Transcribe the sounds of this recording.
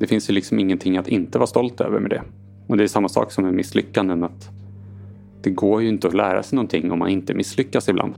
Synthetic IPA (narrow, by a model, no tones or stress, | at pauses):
d̪ɛfɪnsjɵlɪksɔmɪŋːənt̪ʰɪŋːat̪ɪnt̪əvɑːɾst̪ɔlt̪ø̰ːvə̰ɾmɛ̰d̪ɛ̰ | ɔd̪ɛːʂamːasɑ̰ːksɔmɛmɪslʏkːand̪ənat̪ | d̪̥ɛɡoːɾjɵɪnt̪əɔlæːɾa̰sɛjnɔnt̪ʰɪŋːɔmːa̰nɪnt̪əmɪsːlʏkːasɪbla̰nd̪